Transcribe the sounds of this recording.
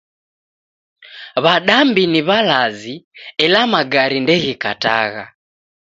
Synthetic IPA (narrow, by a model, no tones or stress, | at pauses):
βaɗambiniβalaziɛlamaɡaɾindɛɣikata̰ɣa